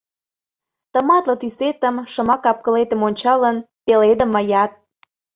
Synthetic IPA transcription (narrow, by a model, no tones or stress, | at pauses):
t̪ə̆mɑt̪lɤ̆t̪yset̪əmʃə̆mɑkɑp̚kə̆let̪əmonʲt͡ɕɑlən | t̪eled̪ə̆məjɑt̪̚